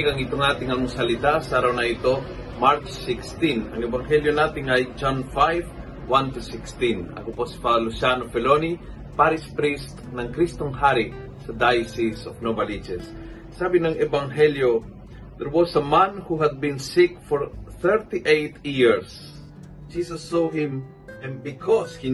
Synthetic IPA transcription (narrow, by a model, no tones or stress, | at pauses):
ɡɐŋɪt̪oŋaːt̪ɪŋɐŋʊsɐlɪt̪asʔaːɾɐwnɐʔɪt̪o̞ | maɾt͡ʃsɪkst̪inɐ̰ŋɛbɐŋɦɛljonaːt̪ɪŋɐjd͡ʒanfajv | want̪usɪkst̪inɐ̰koposi̥palʊsjanofɛloni | paɾɪspɾist̪nɐŋkɾist̪oŋhaɾɪ | sɐd̪ajsɪsofnobɐlit͡ʃɛsː | aːbɪnɐŋɛbɐŋɦɛljo | d̪ɛɾwosɐmãnhuɦɐd̪̚bɪ̃nsɪk̚fɔɹθɛɹt̪iʔejt̪jiɹs | d͡ʒisɐsːoɦɪ̃m | ɛ̃n̚bɪkʰɔshi